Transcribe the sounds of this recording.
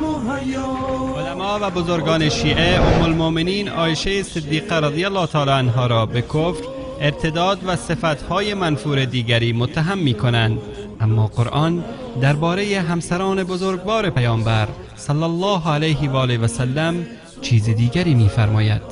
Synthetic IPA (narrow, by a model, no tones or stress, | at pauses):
olæmɒːvæbozoɾɡɒːneʃiːʔeomːolmomeniːnɒ̰ːjeʃejesɪd̪ːiːqæɾæd̪ijælːɒːt̪ʰɒːlɒanɦɒːɾɒːbekʰofɾ | eɾt̪ʰed̪ɒːd̪væsefæt̪hɒːjemænfuːɾed̪iːɡæɾiːmot̪ʰːaɦæmːiːkʰonænd̪ | amːɒːqoɾʔɒn | d̪æɾbɒːɾejeɦæmsæɾɒːne̞bozoɾɡbɒːɾepæjɒːmbæɾ | sɑlːælːɒːɦælejɦevɒːlevæsælːæm | t͡ʃʰiːzid̪iːɡæɾiːmiːfæɾmɒːjæ̰d̪̥